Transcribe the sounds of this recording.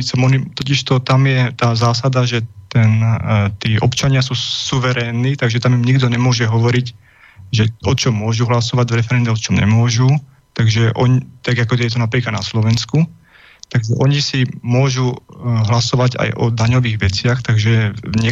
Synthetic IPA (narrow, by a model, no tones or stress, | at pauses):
sɛmɔnit̪ɔciʃt̪ɔt̪amjɛt̪aːzaːsad̪aʒɛt̪ɛnt̪iːʔɔpt͡ʃaɲɪasuːsuʋɛɾɛːnːiːt̪aɡʒɛt̪amimɲiɡd̪ɔɲɛmʊɔʒɛɦɔʋɔɾic | ʒɛʔɔt͡ʃɔmːʊɔʒuɦlasɔʋaɟvɾɛfɛɾɛnd̪ɔt͡ʃɔmɲɛ̰mʊɔʒu | t̪aɡʒɛʔɔɲit̪aɡakɔɟɛjɛt̪ɔnapɾiːklad̪naslɔʋɛnsku | t̪aɡʒɛʔɔɲisimʊɔʒuɦlasɔʋaɟa̰jʔɔ̰d̪aɲɔʋiːɣʋɛt͡sɪaxt̪aɡʒɛɲɪɛ